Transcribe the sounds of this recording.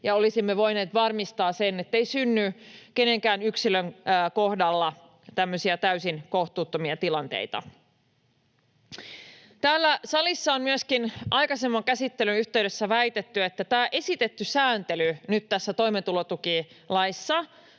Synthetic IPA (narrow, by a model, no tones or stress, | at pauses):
jɑolisimːeʋo̞jne̞ːt̪ʋɑrmist̪ɑːsenet̪ːeisynːyke̞ne̞ŋkæːnyksiløŋko̞hdɑlːɑ | t̪æmːøsiæt̪æysinko̞ht̪uːt̪ːomiɑt̪ilɑnt̪e̞̰it̪ɑ̰ | t̪æːlːæsɑlisːɑonmyəskinʔɑjkɑsemːɑŋkæsit̪ːelynyçt̪eɥɾesːæʋæjt̪et̪ːye̞t̪ːæt̪æːʔe̞sit̪et̪ːysæːnt̪elynyt̪t̪æsːæt̪o̞jmet̪ulot̪uki | lɑjsːɑ